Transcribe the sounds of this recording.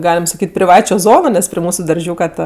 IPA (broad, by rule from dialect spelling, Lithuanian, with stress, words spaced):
ˈɡɑːlʲɛm sɐˈkʲiːtʲ pʲrʲɪˈʋɑːt͡ʃʲoː ˈzoːnoː nʲɛs pʲrʲɪ ˈmuːsʊ dɐrʲˈʒʲuːkɐ tɐ